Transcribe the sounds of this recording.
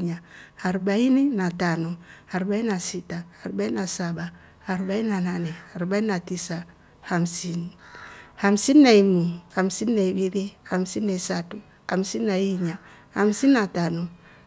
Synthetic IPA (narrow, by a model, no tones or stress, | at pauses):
ɲahaɾbaininatanoaɾbainasitahaɾbainasaba | haɾbainananɛaɾbainatisa | hamsin | hamsinːaimuhamsinːaibiɾihamsinːaisatu | ha̰msinːajiɲa | hamsinːatanu